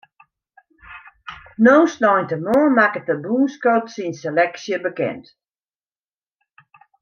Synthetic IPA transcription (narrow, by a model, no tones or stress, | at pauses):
noːsnɔjntəmɔːmakət̚əbuːnskotsinselɛksjəbəkɛ̰nt